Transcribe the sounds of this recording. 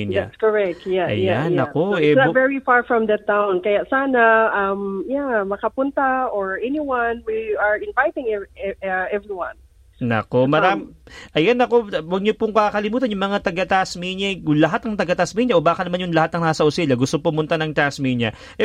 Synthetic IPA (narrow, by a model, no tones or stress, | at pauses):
a̰skɔɹɛk̚t̪jaʔɐ̰janɐkoɛvɛɹifaɹfɹɔ̃md̪ɐt̪ːawnkɐjasaːnɐɐmjamɐkɐpʊnt̪aʔoɹʔɛniwɐnwiaɹɪ̃nvajt̪ɪ̃ŋɛʔɛvɹiwɐ̃n | nɐ̰ko̞mɐɾamʔɐjanɐko̞wɐɡ̚ɲopʊŋkakɐlimuːt̪ɐnjʊŋmɐŋat̪ɐɡɐt̪asmiɲɐʊlɐɦat̪̚ːɐŋt̪ɐɡɐt̪asmiɲɐʔobaːkɐnɐmanjʊŋlɐhat̪ːɐŋnaːsɐʔʊsilɐɡʊst̪opʊmʊnt̪anɐŋt̪asmiɲɐ | ʔɛ